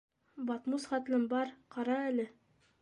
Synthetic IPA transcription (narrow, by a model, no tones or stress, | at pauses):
bɑt̪musχæt̪lɘnbɑɾqɑɾɑælɘ